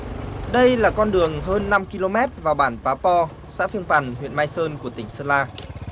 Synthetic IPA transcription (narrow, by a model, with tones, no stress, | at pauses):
ɗə˧jlaː˨˩kɔ˧nɗɨ˨˩əŋɦəː˧nːa˧mki˧lo˧mɛ˦˥t̚vaː˨˩wɓaː˧˩nfaː˨˦pɔ˧ | sa̰ː˧˥fi˧əŋpa˨˩nɦwḭ˧˨ənmaː˧jsəː˧nku˧˩ət̪ï˧˩ŋ̟səː˧laː˧